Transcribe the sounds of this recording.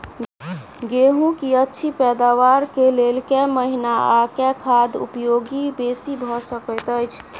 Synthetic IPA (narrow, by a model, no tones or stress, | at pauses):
ɡeɦũkiətːʃʰipɛd̪awaɾkelelkɛməɦinaakɛkʰad̪ṵpjoɡibesibʱɔsəkəjt̪əjt͡ʃʰ